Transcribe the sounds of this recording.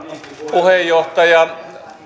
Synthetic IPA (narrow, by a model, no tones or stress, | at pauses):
puhejːoht̪ɑjɑ